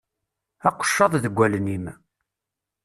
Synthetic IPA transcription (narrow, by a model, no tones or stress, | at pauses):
æqːə̥ʃːɑðˤðəɡʷːælnim